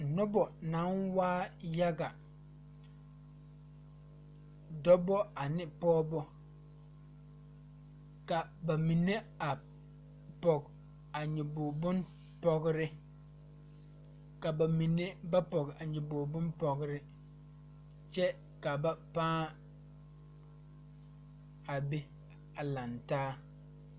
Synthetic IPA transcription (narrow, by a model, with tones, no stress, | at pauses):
nɔ˦bɔ˨na˨˦nwaː˦ja˦ɡa˨ | dɔ˦bɔ˦a˨nɪ˦pɔː˦bɔ˦ | ka˨ba˨mi˨ne˦ | a˨ | pɔ˨ɡ | a˨ɲɛ˨boː˨bʊ˦n | pɔ˦ɣɾɪ˦ | ka˨ba˨mi˨ne˦ba˦pɔ˨ɡa˨ɲʊ˨boː˨bʊ˦npɔ˨ɡɪ˦ɾɪ˦ | t͡ʃɛ˦ | ka˨ba˨pãː˦ | a˨be˦ | a˨la˨ntaː˦